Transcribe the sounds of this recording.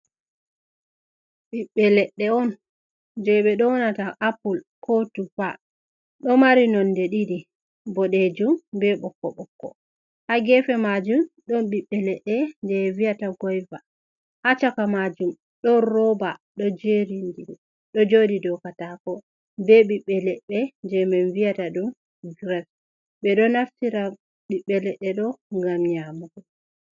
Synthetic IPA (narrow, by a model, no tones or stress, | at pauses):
ɓiɓːɛlɛɗːɛɔn | d͡ʒɛɓɛɗɔwɔnataʔapulkʰotufa̰ | ɗɔmaɾinɔndɛɗiɾi | bɔɗed͡ʒumbɛɓɔkːɔ̰ɓɔkːɔ̰ | haɡɛfɛmad͡ʒum | ɗɔnɓiɓːɛlɛɗːɛndɛvijataɡɔjva | hat͡ʃakamad͡ʒum | ɗɔɾɔbaɗɔd͡ʒeɾindi | ɗɔd͡ʒodidɔkatakɔ | bɛɓiɓːɛlɛɗːɛnd͡ʒɛmɛnvijataɗum | ɡɾɛf | ɓɛɗɔnaftiɾa | ɓiɓːɛlɛɗːɛɗɔŋɡamɲamuɡɔ